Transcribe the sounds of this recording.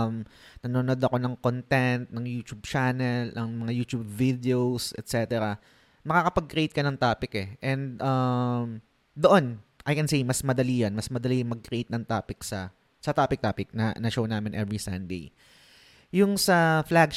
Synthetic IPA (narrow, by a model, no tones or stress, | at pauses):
mnɐnonod̪ɐko̞nɐŋkont̪ɛnt̪̚nɐŋjuːt͡ʃub̚t͡ʃanɛlɐŋmɐŋajuːt̪ub̚vid̪eowsɛt̪sɛt̪ɛɾɐ | mɐkakɐpɐɡ̚kɾejt̪̚kɐnɐŋt̪aːpɪkɛʔɛ̃nd̪̚ʔɐm | d̪oʔonʔɐjkɛnsejmɐsmɐd̪ɐlijonmɐsmɐd̪ɐlijŋmɐɡ̚kɾejt̪̚nɐŋt̪aːpɪksɐ | sɐt̪aːpɪk̚t̪aːpɪk̚nɐnɐʃownaːmɪnʔɛvɹisɐ̰nd̪ḛj | jʊŋsɐflaɡ̚